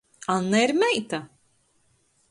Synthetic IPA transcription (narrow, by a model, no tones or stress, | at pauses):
anːaiɾmɛjt̪a